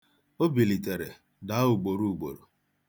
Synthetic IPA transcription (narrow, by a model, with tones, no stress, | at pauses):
o˦bi˨li˨te˨ɾḛ˨ | da˨˦u˨ɡ͡bo˨ɾu˦u˨ɡ͡bo̰˨ɾu˨